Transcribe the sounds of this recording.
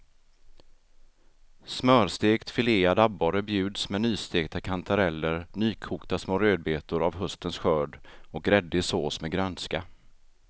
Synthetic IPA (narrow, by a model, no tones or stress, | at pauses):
smœːɾst̪eːkt̪fɪleːad̪aboɾəbjʉ̟ːd̪smɛnyːst̪eːɡ̚t̪ʰakʰant̪ʰaɾɛlːəɾnyːkʰuːkt̪asmoːɾøːd̪̚beːt̪ʊɾavɦɵst̪ənsɧœːɖɔkɾɛd̪ːɪsoːsmɛɡɾœnska